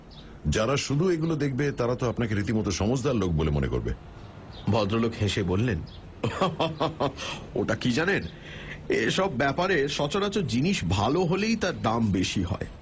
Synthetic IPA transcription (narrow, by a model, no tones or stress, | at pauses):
d͡ʑaɾaʃud̪ʱueɡulod̪ek̚ʰbet̪aɾat̪oapnakeɾit̪imɔt̪oʃɔmod͡ʑd̪aɾlok̚bolemonḛko̰ɾbḛ | bʱɔd̪ɾolokheʃebolːen | o̰ʈakid͡ʑanen | eʃɔbːɛpaɾeʃɔt͡ɕoɾat͡ɕod͡ʑiniʃbʱaloɦolejt̪aɾɖambeʃiɦɔ̰e